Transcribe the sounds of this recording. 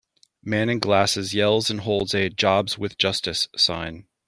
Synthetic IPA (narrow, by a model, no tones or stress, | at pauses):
mæ̃nɨ̃nɡlæsɨzjɛlˠzɨ̃nɦoʊlˠdzɨd͡ʒɑbz̥wɨðd͡ʒ̥ʌstɨsã̰ɪ̃n